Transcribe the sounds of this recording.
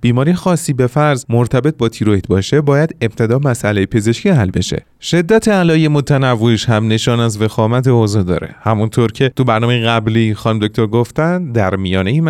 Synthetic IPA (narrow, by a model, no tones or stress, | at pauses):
b̥iːmɒːɾijxɒːsːiːbe̞fæɾzmoɾt̪ʰæbe̞t̪̚bɒːt̪ʰiːɾot̪̚bɒːʃe̞bɒːjæd̪eb̥̚t̪ʰe̞d̪ɒːmæsʔælejepʰe̞ze̞ʃkcʰiæɦælbe̞̰ʃḛ | ʃe̞d̪ːæt̪ʰeælɒːjemot̪ʰænævːoiʃhæmne̞ʃɒːnæzve̞xɒːmæt̪ʰeozɒːd̪ɒ̰ːɾe̞̰hæmunt̪ʰoɾcʰe̞t̪ʰubæɾnɒːmejeɣæbliːxɒːnumd̪ok̚t̪oɾɡoft̪ænd̪d̪æɾmijɒːneim